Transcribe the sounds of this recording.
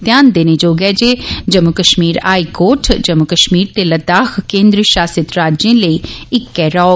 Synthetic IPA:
t̪jaːnd̪eːneːd͡ʒoːɡɛːd͡ʒeːd͡ʒəmːʊkəʃmiːɾa̰ːiːkoːʈʰd͡ʒəmʊkəʃmiːɾt̪eːləd̪aːkkẽːnd̪ɾʃaːsɪt̪ɾaːd͡ʒẽːləiːɪkːɛːɾɔː

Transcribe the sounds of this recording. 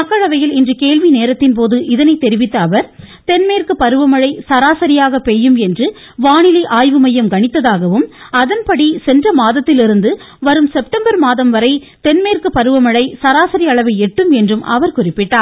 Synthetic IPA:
ɐkːɐɭɐʋɐjɪlɪndrɯkeːɭʋineːɾɐt̪ːɪnp̬oːðɯʔɪðɐnɐɪt̪ːɛɾɪʋɪt̪ːɐːʋɐɾ | t̪ɛnmeːrkɯpːɐɾɯʋɐmɐɻɐɪsɐɾaːsɐɾɪjaːɣɐpeːjːɯmɛndrɯ | ʋaːnɪliʔaːjʋɯmɐjɐmɡɐɳɪt̪ːɐðaːɣɐʋɯmɐðɐnpɐɽisɛndrɐmaːðɐt̪ːɪlɪɾɯnd̪ɯ | ʋɐɾɯmsɛp̚ʈɐmbɐɾmaːðɐmʋɐɾɐɪ | t̪ɛnmeːɾkɯpɐɾɯʋɐmɐɻɐɪsɐɾaːsɐɾiɐɭɐʋɐɪɛʈːɯmɛndrɯmʔɐ̰ʋɐɾkʊrɪpːɪʈːaː

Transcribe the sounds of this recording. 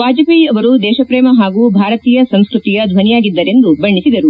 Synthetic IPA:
paːd͡ʒɐpiɐʋɐɾud̪ɛːʃɐpɾɛːmɐɦaːɡuːbʱaːɾɐt̪iːjɐsɐwskɾut̪ijɐd̪ʱʋɐnijaːɡid̪ːɐɾe̞nd̪ubɐɳːisid̪ɐɾu

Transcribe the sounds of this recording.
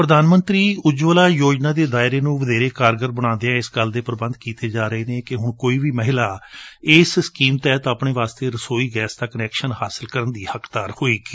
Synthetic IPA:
pɾəd̪aːnmə̃nt̪ɾiːʊd͡ʒʋəːlaːjoːd͡ʒnãːd̪eːd̪aːɪɾeːnũːʋəd̪eːɾeːkaːɾɡəɾbəɽ̃ãːnd̪eãːɪsɡəld̪eːpəɾbənd̪kiːt̪eːd͡ʒaːɾəeːneːkɪɦʊɳkoːiːʋiːməɦɪlaːɪsskiːmt̪ɛːt̪əpɳeːʋaːst̪eːɾəsoːiːɡɛːsd̪aːkənɛːkʃənhaːsəlkəɾənd̪iːhəkʰd̪aːɾhoːiːɡiː

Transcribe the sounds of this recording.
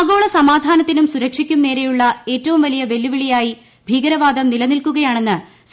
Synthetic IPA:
ɡo̞ːɭɐsɐmaːd̪ʱaːnɐt̪ːinumsuɾɐkʂikʲːumne̞ːɾejuɭːɐe̞ːtːɐʋumʋɐlijɐʋe̞lːuʋiɭijaːji | bʱiːɡɐɾɐʋaːd̪ɐmnilɐnilkuɣɐjaːɳe̞nːɨ | s

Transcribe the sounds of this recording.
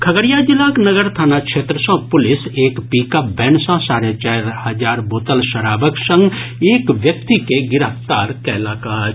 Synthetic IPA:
kʰɐɡəɽjad͡ʒɪlaːknəɡəɾt̪ʰaːnakʃʰeːt̪ɾəsɔ̃ːpʊlɪseːkpiːkabɛːɳsãsaːɾjat͡ʃaːɾhɐd͡ʒaːɾboːt̪əlʃɐɾaːʋəksə̃ŋɡeːkʋjɐk̚t̪ikeɡɪɾəft̪aːɾkɛːlaːkaː

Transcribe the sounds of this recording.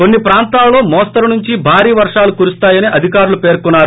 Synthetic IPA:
konːipɾaːnt̪aːlɐloːmɔːst̪ɐɾɐnuɲt͡ʃibʱaːɾiːʋɐɾʂaːlukuɾust̪aːjɐniʔɐd̪ʱikaːɾulupe̞ːɾkunːaːɾu

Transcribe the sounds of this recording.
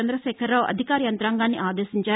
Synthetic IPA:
end̪ɾɐʃɛːkʰɐɾloːʔɐ̰d̪ʱikaːɾijɐnt̪ɾaːŋɡaːnːiʔaːd̪eːʃiɲt͡ʃaː

